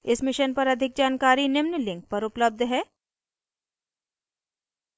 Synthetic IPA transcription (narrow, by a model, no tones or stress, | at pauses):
ɪsmɪʃənpɐɾɐd̪ʱɪk̚d͡ʒaːnkaːɾinɪmnəlɪ̃ŋk̚pɐɾʊpləb̚d̪ʱɦɛː